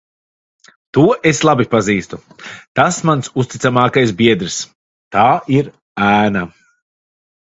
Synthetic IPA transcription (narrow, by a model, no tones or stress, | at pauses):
t̪uɔʔeslˠabipaziːst̪ut̪asmansust̪it̪samaːkajs̬bʲiɛd̪ɾis | t̪aːiɾ | æːna